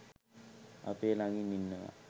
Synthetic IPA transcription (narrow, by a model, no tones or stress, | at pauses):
a̰peːlaŋɡiminːəʋa̰